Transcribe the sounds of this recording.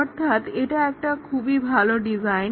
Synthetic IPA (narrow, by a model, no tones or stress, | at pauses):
ɔɾt̪ʰːat̪eʈ̪aɛk̚ʈakʰuːbiːbʱalɔɖid͡zajn